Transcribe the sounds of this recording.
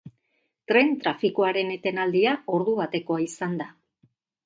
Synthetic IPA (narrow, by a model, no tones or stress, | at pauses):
t̪ɾe̞nt̪ɾafikuaɾe̞ne̞t̪e̞nald̪iao̞ɾðuβat̪e̞ko̞aisand̪a